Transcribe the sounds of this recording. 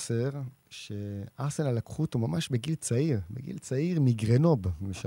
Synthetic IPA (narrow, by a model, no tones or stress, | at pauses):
seʁ | ʃe̞aʁsenalakχutumamaʃbeɡilt͡saiʁbeɡḭlt͡saiʁmiɡʁeno̞bmeʃa